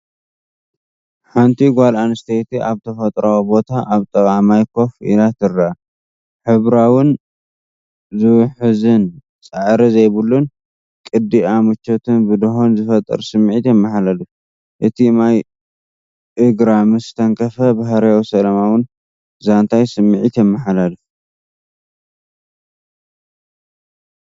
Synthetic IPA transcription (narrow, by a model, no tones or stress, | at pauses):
ħant̪ʰiɡʷalanɨst̪ʰet̪iʔaβt̪ʰɐfɐt̪ʼɾawbo̞t̪ʰaʔaβt̪ʼɐβʕamajkʰo̞fḭlat̪ʰɨrːa | ħɨβɾawʊn | zɨwʊħɨzɨn | t͡sʼɨʕɾizejβɨlːun | kʼɨd̪iamɨt͡ʃːot̪ʰɨnbɨd̪ɨhonzɨfɐt̪ʼːɨ̰ɾsɨmːʕit̪jɛmːaħalalɨf | ʔɨt̪ʰinaj | ʔɨɡɾamɨsɨt̪ʰɐŋkʰɐfɐbahɾjawsɐlɐmawʊn | zant̪ʰajsɨmːɨʕit̪jɛmːɐħalalɨf